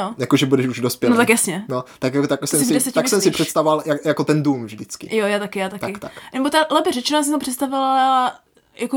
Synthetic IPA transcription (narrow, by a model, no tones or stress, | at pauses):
ojakoʒɛbudɛʃuʒdospjɛnot̪akjasɲɛnot̪akjakot̪akosɛmsvɪdɛsɛc̪asɛmsɪpr̥ɛt̪st̪avovaljajakot̪ɛnduːmvʒdɪt͡skɪ̰jojaːt̪akɪjaːt̪ak̪t̪aɪkt̪aknɛbot̪atlɛpɪrɛt͡ʃɛnojasɪsampr̥ɛt̪st̪avɪl | jako